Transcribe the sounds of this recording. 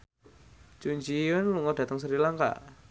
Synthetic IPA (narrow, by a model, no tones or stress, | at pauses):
t͡ʃuɲd͡ʒiʊnluŋɔd̥a̤t̪əŋs̬əɾilaŋka̰ʔ